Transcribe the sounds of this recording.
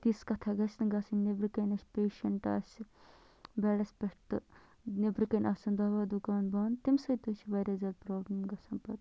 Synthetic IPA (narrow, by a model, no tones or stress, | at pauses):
t̪iskɐt̪ʰɐɡɐsnɡɐsɐnnebɾɨkɐnʲɐsʲpʲeːʃɐɳʈa̰ːsi | beːɽɐsʲpʲɐʂʈɨ | nebɾɨkɐnʲʔɐːsɐnd̪aːʋaːd̪ukaːnbaːnt̪imsɐt̪usʰibɐɾʲɐzɐlpɾoːblɐmɡɐsɐnpɐt̪